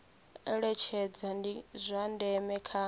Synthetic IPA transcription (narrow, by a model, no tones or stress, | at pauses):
ɛɺɛt͡ʃʰɛd͡zandizʷandɛmɛkʰa